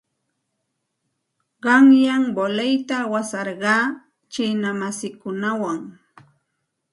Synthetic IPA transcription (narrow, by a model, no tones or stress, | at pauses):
ɢɑŋjaŋbolejt̪awasɑɾɢɑː | t͡ʃɪnamasɪkʊnawaŋ